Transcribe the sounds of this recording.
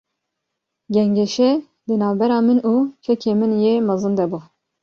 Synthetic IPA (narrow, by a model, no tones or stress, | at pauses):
ɡʲɛŋɡɛʃɛ | d̪ɨnɑːvbɛɾɑːmɨnuːt͡ʃʰɛkʰeːmɨnjeːmɑzɨnd̪ɛbu